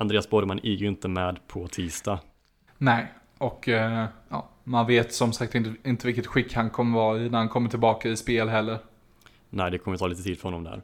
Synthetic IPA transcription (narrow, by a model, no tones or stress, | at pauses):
and̪ɾeːasboːd̪əmanʔiːjəɪnt̪əmɛːd̪pʰɔt̪ʰiːst̪a | nɛɪ | ɔkjɑ̰ːmanveːt̪sɔmsak̚t̪ɪnɪnt̪əvɪlkət̪ɧɪkːhankʰɔmːəvɑːɪnæɾhankʰɔmːəʈʰɪlbɑːkaɪspeːlɦɛlːəɾ | næɪd̪ɛkʰɔmːəjət̪ʰɑːliːt̪ət̪ʰiːd̪fœɾhɔnːɔmd̪æ̰ːɾ